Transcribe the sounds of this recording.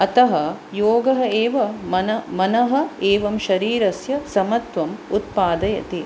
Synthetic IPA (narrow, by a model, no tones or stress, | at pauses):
ɐt̪ɐɦɐjoːɡɐɦɐeːʋɐmɐnɐmɐnɐɦɐ̆eːʋɐmʃɐɾiːɾɐsjɐsɐmɐt̪ʋɐmut̪̚paːd̪ɐjɐ̰t̪i